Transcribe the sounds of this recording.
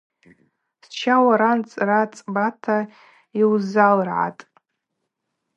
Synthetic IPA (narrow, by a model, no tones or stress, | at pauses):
st͡ʃʰawaɾant͡sʼrat͡sʼbatʰa | iwzalrʕa̰tʼ